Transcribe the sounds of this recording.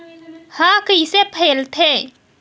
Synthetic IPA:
hãkəisepʰeːlt̪ʰe

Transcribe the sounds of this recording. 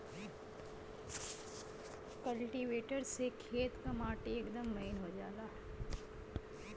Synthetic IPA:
kɐlʈiʋeːʈəɾsekʰeːt̪kamaːʈieːkd̪əmːɐɪnɦod͡ʒaːlaː

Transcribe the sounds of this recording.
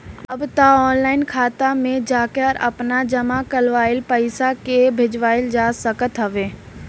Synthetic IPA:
ɐbt̪aɔːnlaːɪnkʰaːt̪amẽd͡ʒaːkeɔɾɐ̰pnad͡ʒɐmakəlʋaːɪlpəɪsakebʱɪd͡ʒʋaːɪld͡ʒaːsəkət̪ɦəʋeː

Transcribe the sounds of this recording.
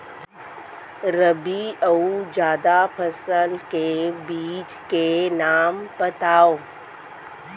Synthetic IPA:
ɾəbiəud͡ʒjaːd̪apʰəsəlkebiːt͡ʃkenaːmpət̪aːoː

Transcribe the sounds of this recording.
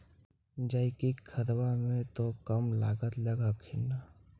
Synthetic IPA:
d͡ʒaɪkikʰəɾwamẽt̪okəmla̰ːɡət̪ləɡakʰɪna

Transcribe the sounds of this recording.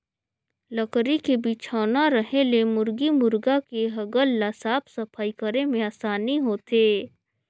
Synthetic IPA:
ləkɾikebiːt͡ʃʰaːnaɾəɦelemʊɾɡimʊɾɡakeɦɐɡəlːasaːpʰsɐpʰaːikəɾemẽaːsaːniɦoːt̪eː

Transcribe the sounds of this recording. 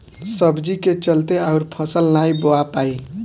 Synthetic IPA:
səbd͡ʒiket͡ʃəlt̪eaʊɾpʰəsəlnajboapai

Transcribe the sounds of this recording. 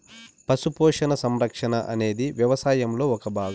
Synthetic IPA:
pɐsupɔːʂɐnɐsɐmɾɐkʂɐnɐʔɐ̰ne̞ːd̪iʋjɐʋɐsaːjɐmlo̞ːɔkɐbʱaːɡɐ

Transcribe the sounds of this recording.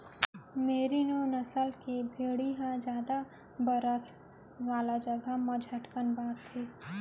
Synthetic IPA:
meːɾinoːnəsəlkebʱeːɽiɦãd͡ʒjaːd̪a | bəɾəs | ʋaːlad͡ʒəɡamɐd͡ʒʱɦɐʈkənbaːɾt̪ʰːeː

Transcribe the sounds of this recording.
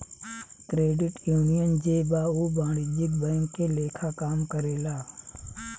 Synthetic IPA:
kɾeːɖɪʈjuːnijənd͡ʒeːbaːuːbaːɽiːd͡ʒɪɡ̚bɛ̃ːŋkːeːleːkʰaːkaːmkəɾeːlaː

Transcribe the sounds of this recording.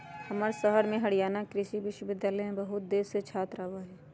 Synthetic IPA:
hɐməɾsəɦəɾmẽɦɐɽijaːnakɾɪʃiʋɪʃwəʋɪd̪jaːləmẽbɐɦʊt̪̚d̪eːɾset͡ʃʰaːt̪ɾaːʋaɦɛː

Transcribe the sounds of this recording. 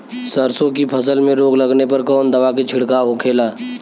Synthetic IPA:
səɾsõkipʰəsəlmẽɾoːɡlɐɡnepɐɾkɔːnd̪ɐʋaket͡ʃʰɪɽkaɦokʰeːlaː

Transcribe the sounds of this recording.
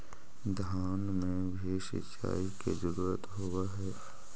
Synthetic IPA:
d̪ʱaːnmẽbʱiʃɪ̰t͡ʃa̰ːikezəɾuːɾət̪ɦowaɦɛː

